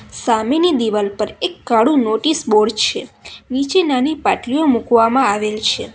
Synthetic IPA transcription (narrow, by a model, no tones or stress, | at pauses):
samenid̪iʋalpəɾekːaɽũnoʈisboɽt͡ʃʰenit͡ʃenanipaʈɾijomukʋamãaʋelt͡ʃʰe